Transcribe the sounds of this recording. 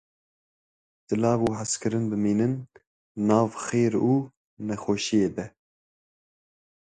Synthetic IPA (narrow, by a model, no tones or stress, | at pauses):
t̪ɨlɑːvuːɦaskɨɾɨnbɨmiːnɨnː | ɑːvxeːɾuː | nɛxoːʃijeːbɛ